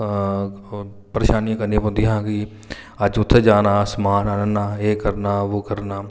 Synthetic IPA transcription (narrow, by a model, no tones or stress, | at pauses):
pəɾeːʃaːnijãːkənːĩpõʊnd̪iɦãːkɪ | əd͡ʒʊt̪ʰːeːd͡ʒaːnaːsəmaːnaːnənaːeːkəɾnaːʋoːkəɾnaː